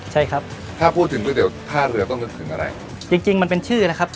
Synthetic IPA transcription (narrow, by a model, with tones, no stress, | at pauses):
t͡ɕʰa˥˩jkʰɾa˦˥p̚ | t̪ʰaː˥˩pʰuː˥˩t̪ʰːɯ˩˦bʰɯ˥˩diː˩˦wt̪ʰaː˥˩ɾɯ˧ɐt̪ɔ˥˩ŋt͡ɕo˧nt̪ʰɯ˩˦ʔa̰˧ɾa̰˧j | t͡ɕi˧ŋt͡ɕi˧ŋma˧npe˧nt͡ɕʰɯː˥˩na˦˥kʰa˦˥p̚